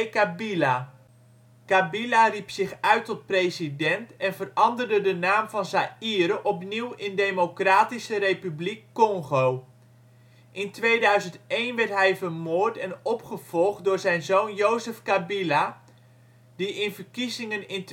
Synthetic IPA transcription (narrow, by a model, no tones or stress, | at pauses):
kabila | kabilaripsɪχœɥtɔt̚prejzidɛntɛnvərɑndərdədənaːmvɑnzaiːɾəʔɔpniwɪndejmokraːtisərejpyblikːɔŋχow | ʔɪntʋejdœɥzəntejnʋɛɹtɦɛjvəɹmʊːɹtɛnɔpχəv̥ɔlˠχtdʊːɹzɛjnzownjowzəfkabila | diʔɪnvəɹkizɪŋənɪnt